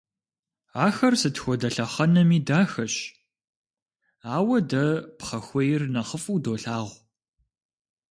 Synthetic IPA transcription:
aːxɐrsɨtxʷɔdɐɬɐχɐnɐmiːdaːxɐɕ | aːwɐdɐpχɐxʷɔjɪrnɐχəfuːdoːɬaːʁʷ

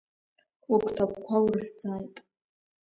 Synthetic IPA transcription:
ukʷʰʼtʰakʷkʷʰawrɬd͡zaːjtʼ

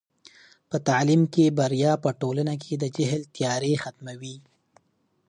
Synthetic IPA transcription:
pət̪aʕlimkebaɾjɑpəʈolanak̬ʰed̪əd͡ʒɪɦlt̪jɑɾexat̪mawi

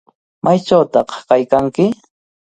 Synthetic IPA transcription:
mʔajt͡ʃawt̪ɑqkajkaŋkɪ

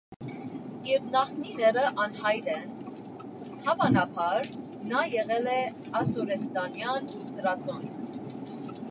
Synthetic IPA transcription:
iɾnɑχninɛɾəʔɑnhɑjɾɛn | hɑvɑnɑpʰɑɾ | nɑjɛʁɛlɛ | ɑsɔɾɛst̪ɑnjɑnut̪ʰəɾɑt͡sɔn

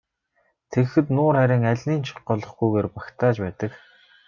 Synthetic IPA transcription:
t̪ʰeɣxɘ̆t̪nʊːrχæɾʲɪ̆ːŋæɮʲniːnt͡ɕʰɔ̥qɢɔːɮɞ̆χɡujɣeːrpakt̪ʰaːt͡ɕpæːt̪ə̆k

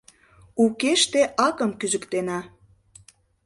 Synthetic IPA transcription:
ukeʃt̪eʔɑkə̆mkyzə̆kt̪enɑ

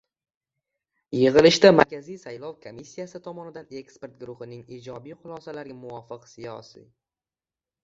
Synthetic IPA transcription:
jɨʁɨlɪʃt̪amaɾkʲʰazijsajlˠɒwkʰomisːijasɪt̪ʰɒmɒnɪd̪ane̞kspe̞ɾt̪̚ɡɾʊχɪnɪŋid͡ʒɒbijχʊlˠɒsalaɾɡʲamʊwɒfɨqsijɒ̰sḭj

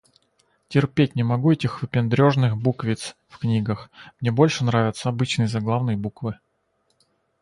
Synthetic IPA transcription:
tʲɪrpʲet̚ʲnʲɪmɐɡuɛtʲɪxvɨpʲɪnd̪ɾʲo̞ʐnɨxbukvʲɪt̪s | fknʲiɡəxmnʲe̞bo̞lʲʂɨnɾavʲɪt̪səɐbɨt͡ɕnɨjəzɐɡlˠavnɨjəbukvɨ

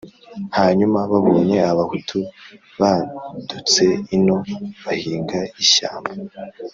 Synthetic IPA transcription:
haːɲumaβaβoːɲe̞aβahutʰu | βadut͡se̞ino̞βahiːŋɡaiʃa̰ːmba

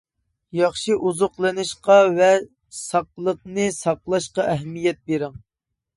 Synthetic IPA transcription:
jɑχʃɨʔuzʊqlˠɨnɨʃqɑvɛ | sɑqlˠəq̚nɨsɑqlˠɑʃqɑʔɛɦɛmːijɛt̪̚beɾɪŋ

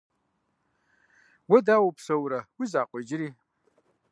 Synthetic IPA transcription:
wɐdawupʰsɐwɾawizaːqʷʼed͡ʒɾi

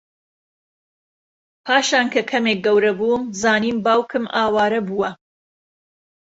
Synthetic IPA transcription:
pʰaːʃaːnkʰɐkʰɐmeːk̚ɡɐwɾɐbuːmzaːniːmbaːwkʰɨmʔaːwaːɾɐbuwɐ

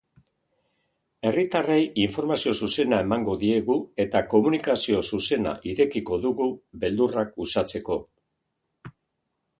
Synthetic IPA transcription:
e̞rit̪arejiɱfo̞ɾmasio̞suse̞nae̞maŋɡo̞ðie̞ɣue̞t̪ako̞munikasio̞suse̞na̰ʔiɾe̞kiko̞ðuɣube̞ld̪urakusat͡se̞ko̞

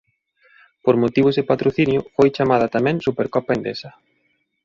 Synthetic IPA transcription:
poɾmot̪iβ̞ʊzðepat̪ɾoθinjʊfojt͡ʃamað̞ɐt̪amɛ̃ŋsupeɾkɔpaend̪esɐ

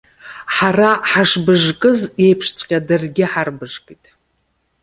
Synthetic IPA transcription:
ħaraħaʂbɨʐkʼɨzjejpʰʂt͡sʷʰʼqʲʼadɨrɡʲɪħarbɨʐkʼitʼ

